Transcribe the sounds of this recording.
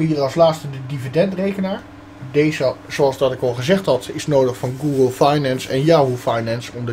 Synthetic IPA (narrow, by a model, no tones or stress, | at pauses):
iːɑslaːtstədədividɛntrejkənaːɹ | dejzəzoɑlˠzdɑtɪkɑlˠχəzɛχtɦɑtɪsnowdəχfɑnɡuːɡəlˠfajnɛnsɛnjaulˠfajnɛnsɔmdə